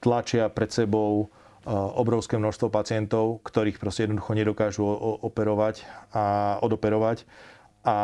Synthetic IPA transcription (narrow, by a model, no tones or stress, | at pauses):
t̪lat͡ʃɪapɾɛt̪sɛbɔʊ | ɔbɾɔʊskɛːmnɔʃst̪ʋɔpat͡sɪɛnt̪ɔʊkt̪ɔɾiːxpɾɔscʲɛjɛd̪nɔd̪uxɔɲɛd̪ɔkaːʒuɔpɛɾɔʋacaɔd̪ɔpɛɾɔʋac | ʔa